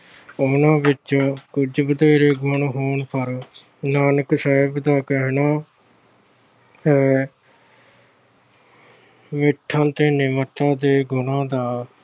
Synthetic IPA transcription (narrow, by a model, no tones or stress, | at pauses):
ʊnãːbɪt͡ʃːõːkʊd͡ʒbəd̪eːɾeːɡʱʊɳɦoːɳpʰəɾ | naːnəksəːɪbd̪aːkɛɦnaː | ɛː | mɪʈʰːãːt̪eːnɪməʈ̪ːãːd̪eːɡʊnãːd̪aː